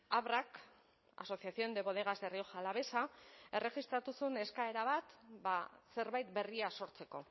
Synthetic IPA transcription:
aβrak | a̰so̞siasio̞nd̪e̞βo̞ðe̞ɣ̞azerio̞ʝalaβe̞sae̞re̞ɣist̪ɾat̪usune̞skae̞ɾaβ̞at̪base̞ɾβajt̪̚be̞riaso̞ɾt͡se̞ko̞̰

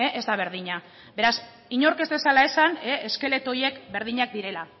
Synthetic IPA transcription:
eʔezd̪aβ̞e̞ɾð̞iɲa | be̞ɾas | iɲo̞ɾke̞zt̪e̞salae̞saneeske̞le̞t̪o̞je̞kbeɾð̞iɲak̚d̪iɾe̞la

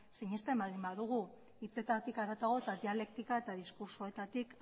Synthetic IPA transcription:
siɲist̪embald̪imbaðuɣ̞u | it͡se̞t̪at̪ikaɾat̪aɣo̞et̪aðiale̞kt̪ikae̞t̪aðiskuɾsoe̞t̪at̪ik

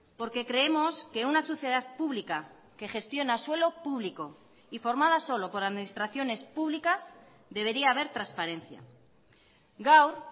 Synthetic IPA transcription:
po̞ɾke̞kɾe̞emo̞skeunasoθjeð̞aðpuβlika | ke̞χe̞st̪jo̞naswe̞lo̞puβ̞liko̞ | ifo̞ɾmað̞aso̞lo̞po̞ɾaðminist̪ɾaθjo̞ne̞spuβlikaz | ðe̞βe̞ɾiaːβ̞e̞ɾt̪ɾanspaɾẽ̞n̟θja̰ | ɡawɾ

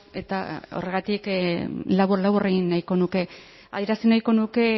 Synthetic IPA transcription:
e̞t̪a̰o̞̰re̞ɣ̞at̪iklaβuɾlaβoreɣinːajko̞nuke̞ | a̰ðjeɾasinajko̞nuke̞

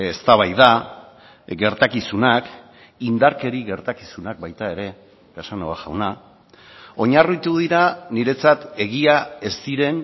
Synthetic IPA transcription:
est̪aβ̞ajða | ɡe̞ɾt̪akisunak | ind̪aɾke̞ɾiɣe̞ɾt̪akisunak̚bajt̪ae̞ɾe̞ | ɡasanoaʝawna | o̞ɲarut̪uð̞iɾaniɾe̞t͡sat̪e̞ɣiae̞st̪iɾe̞n

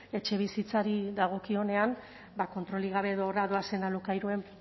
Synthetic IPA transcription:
e̞t͡ʃe̞β̞isit͡saɾiðaɣ̞o̞kio̞ne̞an | bako̞nt̪ɾo̞liɣ̞aβ̞e̞ːðoːraðo̞ase̞nalukajɾue̞m

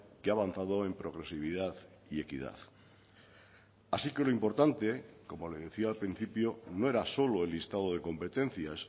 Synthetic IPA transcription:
keaβanθaðo̞empɾo̞ɣ̞ɾe̞siβ̞iðaθ | ie̞kḭða̰θ | asike̞loimpo̞ɾt̪ant̪e̞ko̞mo̞le̞ðe̞θiaːlpɾin̟θipjonoe̞ɾaso̞lo̞elist̪aðoð̞eko̞mpe̞t̪ẽ̞n̟θjas

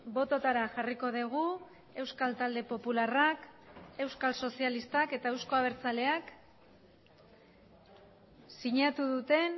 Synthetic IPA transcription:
bo̞t̪o̞t̪aɾaʝariko̞ð̞eɣ̞u | e̞wskalt̪ald̪e̞po̞pularake̞wskalso̞sialist̪ake̞t̪ae̞wsko̞aβ̞e̞ɾt͡sale̞ak | siɲat̪uðut̪e̞n

